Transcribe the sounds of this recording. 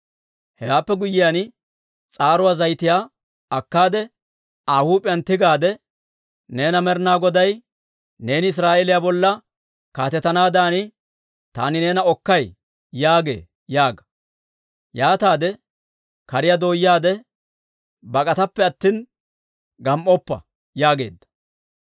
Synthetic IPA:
hɛwaːpːɛɡʊjːɪjan | t͡sʼaːɾʊwazɐjt̪ɪjaː | ɐkːaːd̪ɛ | aːhuːpʼɪjɐnt̪ɪɡaːd̪ɛ | ne̞ːnɐmɛɾnaːɡɔd̪ɐj | ne̞ːnɪɪs̬ɾaːʔeːlɪjaːbɔlːɐ | kaːt̪ɛt̪ːɐnaːd̪aːnɪ | t̪a̰ːnɪne̞ːnɐɔkːɐj | jaːɡe̞̰ː | jaːɡɐ̥ | jaːt̪aːd̪ɛ | kɐɾɪjad̪o̞ːjaːd̪ɛ | bɐkʼɐt̪ɐpːɛɐt̪ːiːn | ɡɐmʔɔpːɐ̰ | jaːɡe̞̰ːd̪ːɐ̥

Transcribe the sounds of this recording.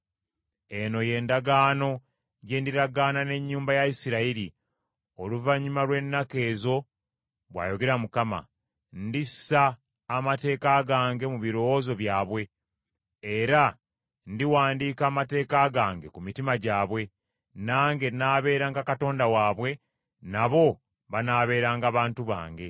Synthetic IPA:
e̞no̞je̞ːndaɡaːno̞ | ɟeːndiɾaɡaːnane̞ɲːuːmbajaisiɾaiɾi | o̞luvaɲːimalwe̞nːake̞ːzo̞ | βwa̰ːjo̞ɡe̞ɾamukama̰ | ndissaː | mate̞ːkaːɡaːŋɡe̞muβiɾo̞wozo̞βjaːβwe̞ | eɾa | ndiwaːndiːkaːmate̞ːkaɡaːŋɡekumitimaɟaːβwe̞ | naːŋɡe̞naːβe̞ːɾaŋɡakato̞ːndawaːβwe̞ | naβo̞ | βanaːβe̞ːɾaːŋɡaːβaːntuβa̰ːŋɡe̞

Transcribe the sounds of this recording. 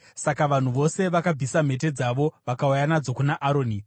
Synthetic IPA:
sakaʋan̤uʋo̞se̞ʋakab͡visam̤e̞t̬e̞d͡zaʋo̞ʋakaujanad͡zo̞kunaʔaɾo̞ːni

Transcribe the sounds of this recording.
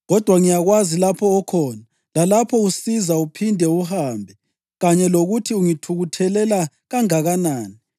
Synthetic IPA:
ɣɔd̥ʱwaŋijaɣwazilapʰɔːkʰɔːna | lalapʰɔusizaupʰindʱɛuhaːmbʱɛ | ɣaɲɛloɣutʰiuŋitʰuɣutʰɛlɛla | ɣaŋaɣanaːni

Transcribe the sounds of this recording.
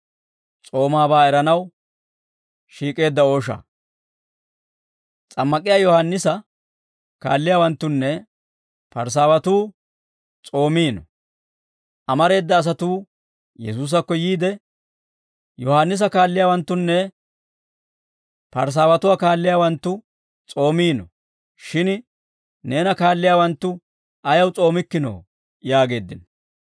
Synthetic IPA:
t͡sʼo̞ːmaːbaːɛɾɐnɐw | ʃiːkʼe̞ːd̪ːɐo̞ːʃɐ̰ | t͡sʼɐmːɐkʼɪjaːjɔhanːɪsɐ | ka̰ːlːɪjaːwɐnt̪ːʊnːɛ | pɐɾs̬aːwɐt̪uː | t͡sʼo̞ːmiːnɔ̰ | ɐmɐɾe̞ːd̪ːɐːs̬ɐt̪uː | jɛsuːs̬ɐkːɔjiːd̪ɛ | jɔhanːɪs̬ɐkaːlːɪjaːwɐnt̪ːʊnːɛ | pɐ̰ɾs̬aːwɐt̪ʊwaːkaːlːɪjaːwɐnt̪ːʊ | t͡sʼo̞ːmiːnɔ | ʃɪn | ne̞ːnɐkaːlːɪjaːwɐnt̪ːʊ | ʔɐjɐwt͡sʼo̞ːmɪkːɪno̰ː | jaːɡe̞ːd̪ːɪnɔ

